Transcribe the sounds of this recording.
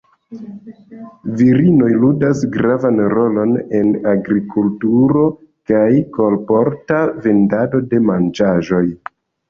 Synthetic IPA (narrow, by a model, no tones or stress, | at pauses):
viɾino̞jludasɡɾavanɾo̞lo̞ne̞naɡɾikʰultuɾo̞ | kajko̞lpo̞ɾtave̞ndado̞de̞mand͡ʒaʒo̞j